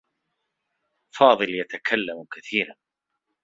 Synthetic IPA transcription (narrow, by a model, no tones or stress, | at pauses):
fɑːðˤɨljat̪akʰalːamkaθiːɾan